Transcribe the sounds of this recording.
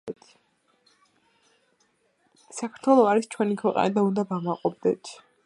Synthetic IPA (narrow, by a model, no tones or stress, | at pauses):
t̪ʰ | sakʰaɾt̪ʰwɛlˠɔaɾist͡ʃʰwɛnikʰwɛqʼa̰nad̪aund̪avamaqʼɔb̚d̪ɛt̪ʰ